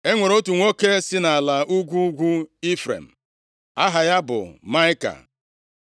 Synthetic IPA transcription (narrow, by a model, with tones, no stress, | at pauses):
e˦ŋʷe˨ɾo˦tu˨ŋʷo˦ke˦sɪ˦na˨a˨la˨ʔu˦ɡʷu˦ɡʷu˦i˦fɾḛ˨m̩˨ | a˦ɦa˨ja˦bʊ̰˨ma˦ɪ˦ka̰˨